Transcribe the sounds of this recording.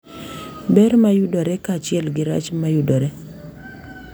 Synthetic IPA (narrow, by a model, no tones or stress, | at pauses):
bɛɾmajudɔɾɛkaːt͡ʃɪɛlɡɪɾa̰t͡ʃmajudɔɾɛ